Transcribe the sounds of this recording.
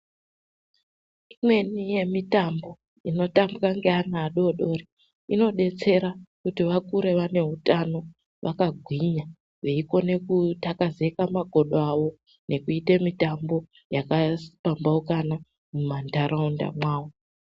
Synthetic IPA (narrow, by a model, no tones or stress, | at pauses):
imwe̞nije̞mitambo̞ | ino̞tambikaŋɡeanaːɗoɗo̞ri | ino̞ɗe̞t͡se̞ɾakutiʋakuɾe̞ʋane̞ɦutano̞ | ʋʔakaɡʱwiɲa | ʋeiko̞ne̞kutakaze̞kamaɡʱo̞ɗoaʋo̞ | ne̞kuitemitambo̞ | jakasi̥pambaukana | mumandaɾaunda̰mwaːwo